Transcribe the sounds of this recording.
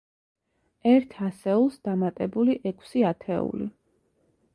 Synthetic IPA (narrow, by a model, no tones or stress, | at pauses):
ɛɾt̪ʰasɛulˠsd̪̥amat̪ʼɛbuliʔɛkʰʼsiat̪ʰɛ̰ṵlḭ